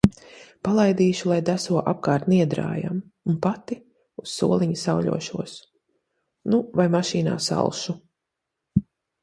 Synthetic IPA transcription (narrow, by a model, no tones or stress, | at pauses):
palˠajd̪iːʃulˠajd̪æsuɔʔap̚kaːɾt̪niɛd̪ɾa̰ːja̰munpat̪i | usːṵɔlˠiɲisawʎʲṵɔʃuɔs | nuvajmaʃiːna̰ːsa̰lˠʃu